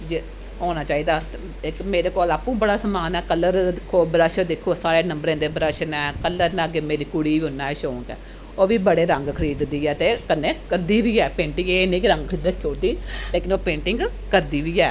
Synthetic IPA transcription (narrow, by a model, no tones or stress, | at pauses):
d͡ʒe | oːnaːt͡ʃaːiːd̪aː | ɪkmeːɾeːkɔːlaːpːũːbəɽaːsəmaːnɛːkəlːəɾd̪ɪkʰːoːbɾəːʃəd̪ɪkʰːoːsaːɾeːnəmbəɾẽːd̪eːbɾəʃənɛːkəlːəɾnãːɡeːmeːɾiːkʊɽiːʋiʊnːaːɛʃoːŋkɛ̰ː | oːʋiːbəɽeːɾəŋɡkʰəɾiːd̪d̪iːɛːt̪eːkənːeːkəɾd̪iːʋiːɛːpẽːɳʈɪŋeːnĩːkɪɾəŋɡkʰəɾiːd̪kʰjoːt̪iːleːkɪnoːpẽːɳʈɪŋɡ | kəɾd̪iːʋiːɛː